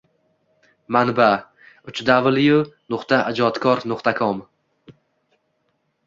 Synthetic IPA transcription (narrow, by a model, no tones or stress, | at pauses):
manba | ʊt͡ʃʰd̪abɨlˠjunʊqt̪ʰaʔad͡ʒɒt̪kʰɒɾnʊqt̪ʰakʰom